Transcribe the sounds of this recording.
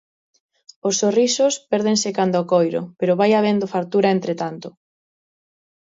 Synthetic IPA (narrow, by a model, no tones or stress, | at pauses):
osːorisospɛɾð̞ẽŋsekand̪ɔːkojɾʊ̰peɾʊβajaβ̞end̪ofaɾt̪uɾaent̪ɾet̪ant̪ʊ